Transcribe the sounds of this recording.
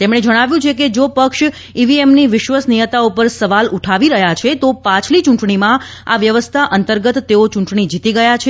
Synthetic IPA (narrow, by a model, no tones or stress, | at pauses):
t̪emɽ̃ed͡ʒəɽ̃aʋjũt͡ʃʰeked͡ʒopəkʃ | iʋiemniʋɪʃʋasnijət̪aupəɾsəʋaluʈʰaʋiɾəɦjat͡ʃʰet̪opãt͡ʃʰlit͡ʃũɳʈɳimã | aʋjəʋəst̪ʰaʔənt̪əɾɡət̪ːeot͡ʃũɳʈɳid͡ʒit̪iɡəjat͡ʃʰe